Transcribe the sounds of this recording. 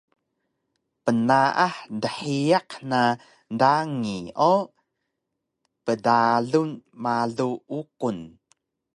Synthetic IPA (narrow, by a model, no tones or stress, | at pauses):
pənaʔaħdəħiaqna | daŋio | pədaɮunmaɮuuqun